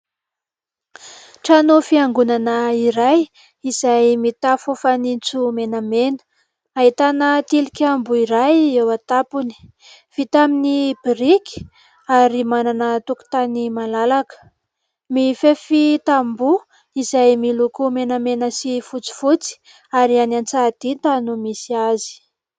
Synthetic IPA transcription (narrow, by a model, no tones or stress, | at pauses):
ʈ͡ʂanofiaŋɡunanəiɾaj | iz̥ajmit̪afufanit͡sumenamenə̥ | aɦit̪anət̪ilikʲambuiɾajewat̪apuni̥ | v̥it̪aminibiɾikʲi̥ | aɾimananət̪uku̥t̪animalalakə̥ | mifefit̪ambu | izajmilukumenamenəsifut͡si̥fut͡si̥ | aɾianant͡sad̪̥it̪anumisiazi̥